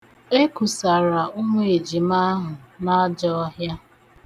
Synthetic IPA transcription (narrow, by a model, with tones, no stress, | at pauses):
e˦ku˨sa˨ɾa˨ʊ˦ŋʷe˨e˨d͡ʒi˨ma˦ɦʊ˨na˦d͡ʒɔ˦ɦja˦